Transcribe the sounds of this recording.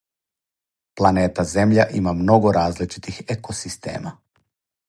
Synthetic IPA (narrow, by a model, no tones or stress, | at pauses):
plˠaneːt̪aze̞mʎaʔimamno̞ɡoɾaːzlit͡ʃi̥t̪ixekosist̪ḛːma